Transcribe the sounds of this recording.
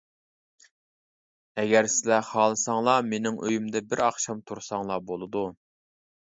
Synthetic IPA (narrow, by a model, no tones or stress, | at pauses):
ɛɡʲæɾsɪlɛχɑːlˠɨsɑŋlˠɑmenɪŋʔøjymd̪ɛbɪɾɑχʃɑmt̪ʰuɾsɑŋlˠɑbolˠɨd̪u